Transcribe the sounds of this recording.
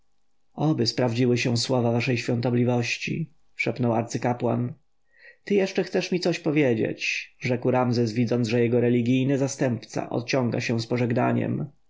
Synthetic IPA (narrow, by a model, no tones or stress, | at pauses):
ɔbɘspɾavd͡ʑiwɘɕɛ̃swɔvavaʂɛjɕfʲjɔnt̪ɔblʲivɔɕt͡ɕḭ | ʂɛpnɔwaɾt̪sɘkapwa̰n | t̪ɘjɛʂt͡ʂɛxt̪sɛʂmʲit̪sɔɕpɔvʲjed͡ʑḛt͡ɕʐɛkwɾamzɛsvʲid̪zɔnʐɛjɛɡɔɾɛlʲiɡʲijnɘzast̪ɛmpt̪sa̰ʔɔ̰t̪̚t͡ɕɔŋɡa̰ɕɛw̃spɔʐɛɡna̰ɲɛ̰m